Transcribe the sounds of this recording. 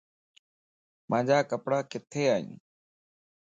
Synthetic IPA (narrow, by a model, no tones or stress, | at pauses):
mãːd͡ʒaːkəpɽaːkɪt̪ʰeːaːḭ̃ː